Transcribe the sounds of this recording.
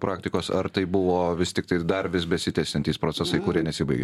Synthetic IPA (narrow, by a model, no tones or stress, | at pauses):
pɾʔɑːkt̪ʲɪkoːsɐɾt̪ɐɪbʊʋoːʋʲɪst̪ʲɪk̚t̪ɐɪd̪ɐɾʋʲɪsbʲɛsʲɪt̪ʲɛsʲɪnt̪ʲiːspɾoːt͡sʲɛsɐɪkʊɾʲiɛnʲɛsʲiːbɐɪɡʲe